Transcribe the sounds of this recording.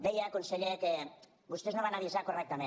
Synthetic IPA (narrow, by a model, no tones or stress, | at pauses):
bejakonseʎek | ɡust̪ioznoβanaðiesakorek̚t̪ame